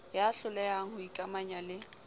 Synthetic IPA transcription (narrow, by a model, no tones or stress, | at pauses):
jaɬʊlɛjaŋ̩hʊikʼamaɲalɪ